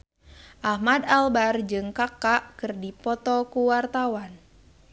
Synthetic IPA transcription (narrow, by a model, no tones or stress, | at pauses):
ʔahmadalbard͡ʒɨŋkakaʔkɨrdipɔt̪ɔkuwart̪awan